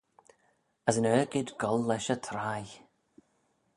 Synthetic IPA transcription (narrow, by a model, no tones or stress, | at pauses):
əzənœːɡɪd̪ɡɔlːɛʃət̪ʰɾaj